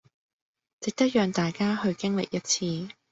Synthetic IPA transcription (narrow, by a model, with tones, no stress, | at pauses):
t͡sɪ˨k̚t̪ɐ˥k̚jœː˨ŋt̪aː˨jkaː˥hɵ˧ɥkɪ˥ŋlɪ̰˨k̚jɐ˥t̚t͡sʰiː˧